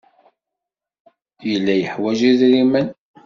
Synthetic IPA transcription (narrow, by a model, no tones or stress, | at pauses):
jəlːæjəħwæʒiðɾimən